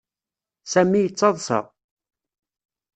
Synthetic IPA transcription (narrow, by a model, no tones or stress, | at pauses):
sæmːijət͡sːɑðˤsə̰ʁ